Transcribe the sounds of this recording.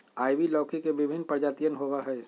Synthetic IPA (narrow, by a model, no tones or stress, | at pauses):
aːiʋilɔːkikeʋɪbʱɪnpəɾd͡ʒaːt̪ijənɦoʋaɦɛː